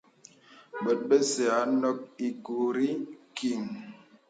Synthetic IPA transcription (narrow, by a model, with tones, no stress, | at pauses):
ɓə˨t̚ɓe˦se˨a˨˦nɔ˦k̚i˨ɡu˨ɾi˦ki˨ŋ